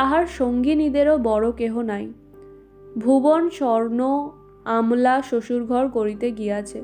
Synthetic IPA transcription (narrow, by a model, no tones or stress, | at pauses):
aɦaɾʃoŋɡinid̪eɾobɔɾokeɦonaj | bʱubonʃɔɾno | amlaʃoʃuɾɡʱɔɾkoɾit̪eɡieat͡ɕʰe